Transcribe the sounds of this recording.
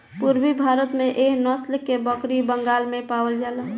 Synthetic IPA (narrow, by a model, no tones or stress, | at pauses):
puɾbibʱaɾət̪mẽʔeɦnɔsləkːebəkɾibəŋɡalmẽpawəld͡ʒalə